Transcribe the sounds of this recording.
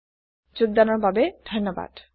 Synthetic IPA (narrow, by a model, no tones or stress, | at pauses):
d͡ʒuɡ̚d̪anɔɹbabed̪ʱʌnːɔba̰d̥